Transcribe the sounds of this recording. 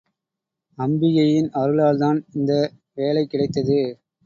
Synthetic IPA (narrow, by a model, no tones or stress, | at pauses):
ɐmbɪjɐjɪnɐɾɯlaːɭðaːnɪnd̪ɐ | ʋeːlɐɪkːɪɽɐɪt̪ːɐðɯ